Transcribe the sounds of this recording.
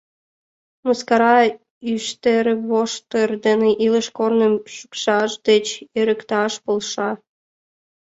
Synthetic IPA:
moskɑɾɑ | yʃt̪eɾβoʃt̪ərd̪eneʔiləʃkornəmʃukʃɑʃd̪et͡ɕeɾəkt̪ɑʃpolʃɑ

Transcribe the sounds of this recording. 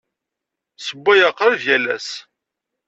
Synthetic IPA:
səbːæjɑqːɾəvjælæ̰s

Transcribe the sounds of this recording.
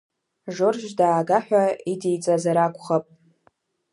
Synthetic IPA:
ʒorʒdaːɡaħᶣʷaidejt͡sʼazaɾakʷʼχapʼ

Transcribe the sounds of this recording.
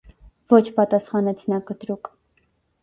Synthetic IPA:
vɔt͡ʃʰpɑt̪ɑsχɑnɛt͡sʰnɑkət̪ɾuk

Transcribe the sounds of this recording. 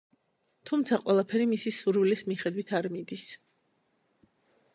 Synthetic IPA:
t̪ʰumt̪sʰaqʼwɛlˠapʰɛɾimisisuɾwlismiχɛd̪wit̪ʰaɾmid̪is

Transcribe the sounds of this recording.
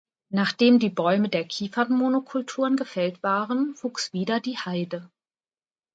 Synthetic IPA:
naːχd̥eːmdiːbɔʏmədeːɐkʰiːfɐnmonokʰʊltʰuːʁənɡəfɛltv̥aːʁənv̥uːksv̥iːdɐdiːhaɪdə

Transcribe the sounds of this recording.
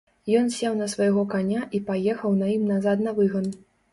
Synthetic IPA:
jɔnsʲɛwnɐsvɐjɣɔkanʲaʔipajɛxɐwnɐjimnazat̪nɐvɨɣɐn

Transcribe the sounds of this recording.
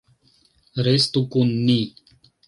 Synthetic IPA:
ɾest̪ukunːi

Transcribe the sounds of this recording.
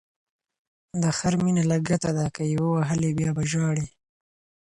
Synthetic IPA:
d̪əxaɾminalaɡat̪ad̪akajawewaɦəlebjɑbaʒɑɽe

